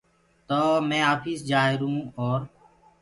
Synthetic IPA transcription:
t̪oːmɛ̃ːaːfiːsd͡ʒaːɪɾũːoːɾ

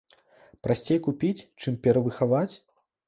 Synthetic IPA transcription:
pɾasʲt͡sʲejkupʲit͡sʲt͡ʂɨmpʲɛɾɐvɨxavat͡sʲ

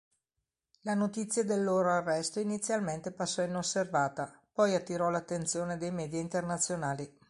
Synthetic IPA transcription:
lanot̪it̪sːjad̪elːoːɾoarːɛst̪oinit̪sːjalment̪epasːɔinosːervaːt̪apɔjat̪ːiɾɔlat̪ːent̪sjoːned̪ejmɛːd̪jaint̪ernat̪sːjonaːli

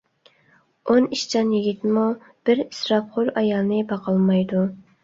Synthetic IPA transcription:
oniʃt͡ʃʰɑnjiɡʲit̪mu | b̥ɪɾisɾɑpχʊɾɑjɑlˠnɨbɑqʰɑlˠmɑjd̪u

